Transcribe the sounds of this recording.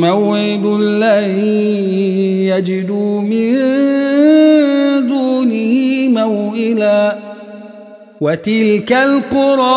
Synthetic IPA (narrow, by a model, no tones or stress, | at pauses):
mawʕɪd̪ʊlːahi | jad͡ʒɪd̪uːmɪn | zuːnɪhɪmawʔɪlaː | wat̪ɪlkalqʊɾˤɑ